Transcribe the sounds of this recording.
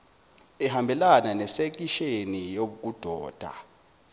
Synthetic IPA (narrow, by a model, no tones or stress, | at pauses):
ɛɦambʱɛlananɛsek̬iʃenijoɓuk̬ud̥ʱɔːd̥ʱa̰